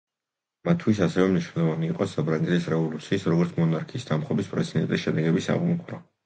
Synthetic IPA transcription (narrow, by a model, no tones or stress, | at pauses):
mat̪ʰːwisasɛvɛmniʃwnɛlˠɔvaniːqʼɔsabɾaŋɡɛt̪isɾɛvɔlˠut̪sʰiːsɾɔɡɔɾt̪ʰmɔnaɾkʰiːsd̪amχwɛbispʼɾɛsʰid̪ɛ̰nt̪ʼisʃɛd̪ɛɡɛbisa̰ʁumkʼɾɔ